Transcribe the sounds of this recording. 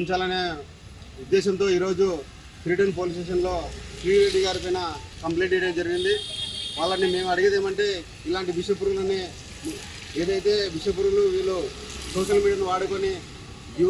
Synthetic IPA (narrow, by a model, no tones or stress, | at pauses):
ɲt͡ʃaːlɐneː | ud̪ːɛːʃɐnt̪o̞ːiːɾo̞ːd͡ʒu | fɾiːɖɐnp̬oːlisʈeːʃɐnlo̞ːfɾiːɾeːʈiɡaːɾip̬ɐjnɐkɐmpleːɳʈɛjʈɐmd͡ʒɐɾiɡind̪iʋaːɭːɐnːime̞ːmɐɽiɡed̪eːmɐɳʈe̞ː | ilaːɳʈiʋiʃɐp̬uɾulɐni | e̞ːd̪ɐjt̪e̞ːʋiʂɐp̬uɾuluʋiːlːu | sɔːʃɐlmiːɖijɐniʋaːɽuko̞ni | ɡu